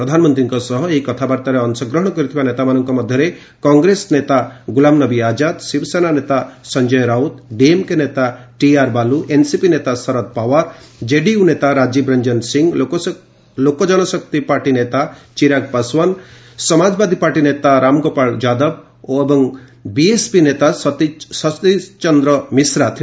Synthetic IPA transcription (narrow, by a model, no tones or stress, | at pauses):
pɾɔd̪ʱanmɔnt̪ɾiŋkɔsɔɦɔeikɔt̪ʰabaɾt̪aɾeɔnsɔɡɾɔɦɔɽ̃ɔkɔɾit̪ʰibanet̪amanɔŋkɔmɔd̪ʱjɔɾe | kɔŋɡɾesnet̪aɡulamnʌbiad͡ʒad̪sibsenanet̪asɔnd͡ʒɔjɾawt̪ɖiemkenet̪aʈiaɾbaluʔensipinet̪asɔɾɔt̪̚pawaɾd͡ʒeɖiunet̪aɾad͡ʒibɾɐɲd͡ʒɔnsiŋɡ | lokɔd͡ʒɔnɔsɔkt̪ipaɾʈinet̪at͡ʃiɾaɡ̚paswɔn | sɔmad͡ʒbad̪ʱipaɾʈinet̪aɾamɡopaɭd͡ʒad̪ɔb | oebɔŋbiespinet̪ast̪sɔst̪it͡ʃɔnd̪ɾɔmisɾat̪ʰ